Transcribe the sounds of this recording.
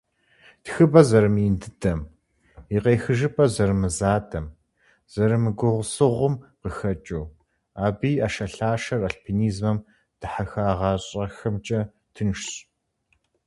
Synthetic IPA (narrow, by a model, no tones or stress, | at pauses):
txɨbɐzɐɾɨmɪndɨdɐm | iqeːxɨʒɨpʼɐzɐrmɨzaːdʰɐm | z̥ɐɾɨmɨɡʷʊʁʷʊsɨʁʷʊmqəxɐt͡ʃʼuː | aːbiːaːʃɐɬaːʃɐraɬpʰiniːzmɐm | d̥ɨħaxaːʁɑːɕʼɐxɐmt͡ʃʼɐ | tʰɨnʃɕʼ